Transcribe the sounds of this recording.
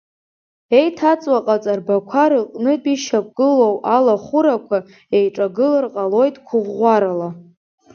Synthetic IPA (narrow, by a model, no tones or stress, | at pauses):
e̞jtʰat͡sʼwaqʼat͡sʼarbakʷʰaɾɨqʼnɨpʼiʃak̚ʷʼɡɨlo̞walaχʷʊɾakʷʰa | e̞jʈ͡ʂʼaɡɨlɨrqʼalo̞jtʼkʷʰʊʁːʷaɾala